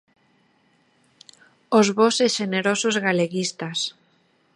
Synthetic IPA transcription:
ozβoseʃeneɾosozɣaleɣist̪as

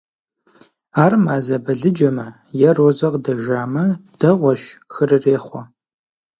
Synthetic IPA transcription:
aːrmaːzɐbɐɮɨd͡ʒɐmɐ | jɛroːzɐʁdɐʒaːmɐd̥ɐʁʷɔʃxɨrɨreːχʷɔ

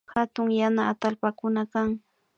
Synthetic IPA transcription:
hat̪ʊŋjanaːt̪alpakʊnakaŋ

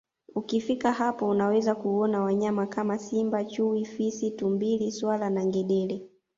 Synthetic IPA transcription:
ukifikahapɔunawɛzakuɔnawaɲamakamasimbat͡ʃuifisitumbiliswalanaŋɡɛɗɛlɛ

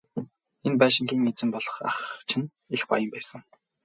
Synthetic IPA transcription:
enpæːʃɪ̆ŋɡʲiːŋet͡sɘ̆mpɔɮɞ̆χa̰χt͡ɕʰɪ̆n | expa̰jə̆mpæːsə̆ŋ

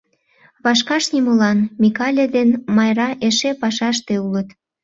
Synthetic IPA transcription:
βɑʃkɑʃniməlɑnmikɑlʲed̪enmɑjrɑʔeʃepɑʃɑʃt̪eulət̪

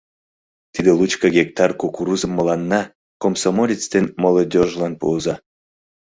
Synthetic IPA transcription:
t̪id̪elˠut͡ɕkɑɡʲek̚t̪ɑrkokuɾuzəmːəlɑnːɑ | komsomolʲit͡st̪enmolˠod̪ʲoʒlɑnpṵːzɑ

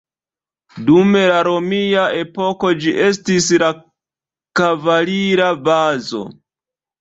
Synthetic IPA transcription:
dume̞laɾo̞miaʔe̞po̞ko̞d͡ʒiʔe̞s̬tis̬la | kavaliɾabazo̞̰

